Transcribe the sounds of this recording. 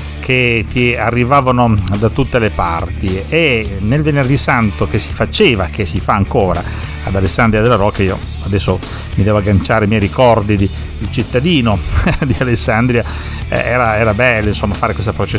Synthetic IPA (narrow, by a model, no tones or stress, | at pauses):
kʰet̪iarːivaːvanod̪at̪ut̪ːelepa̰rt̪ienelvenerd̪isant̪okesi̥fat͡ʃeːvakesifaːŋkoːɾa | ad̪alesːand̪ɾiad̪elːaɾɔkːaiːo̰ | ad̪ɛsːo | mid̪ɛːvoaɡant͡ʃaːɾemjɛjɾikɔrd̪id̪i | d̪ilt͡ʃit̪ːad̪iːnod̪ialesːand̪ɾia̰ | ɛ̰ːɾaɛːɾabɛlːoinsomːafaːɾekwes̬t̪apɾot͡ʃe